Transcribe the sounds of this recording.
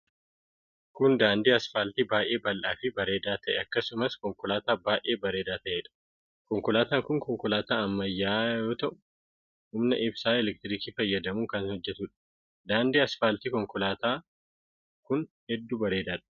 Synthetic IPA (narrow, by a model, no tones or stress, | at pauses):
kʊnd̪aːnd̪eːɐsfaːlt̪ibaːjʔe̞ːbɐlʔaːfɪbɐɾe̞ːd̪aːt̪ɐʔɛɐkːɐsʊmɐskɔŋkʊlaːt̪aːbaːjʔeːbɐɾe̞ːd̪aːt̪ɐʔeːᶑɐ̥ | kɔŋkʊlaːt̪aːŋkʊŋkɔŋkʊlaːt̪aːɐmːɐjːaːjo̞ːt̪ɐʔʊ | hʊmnɐʔɪbsaːɛlɛk̚t̪ɪɾiːkiːfɐjːɐd̪ɐmuːŋkɐnhɔd͡ʒːɛt̪uːᶑɐ̥ | d̪aːnd̪eːɐsfaːlt̪iːkɔŋkʊlaːt̪aː | kʊnhɛd̪ːuːbɐɾe̞ːd̪aːᶑɐ̥